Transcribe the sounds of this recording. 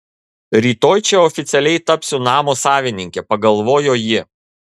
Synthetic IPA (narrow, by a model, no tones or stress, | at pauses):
ɾʲiːt̪oːjt͡ʃʲɛɔfʲɪt̪sʲɛlʲɛɪt̪ɐpʲsʲʊnɑːmoːsɑːʋʲɪnʲɪŋʲkʲɛpɐɡɐlˠʋoːjoːjɪ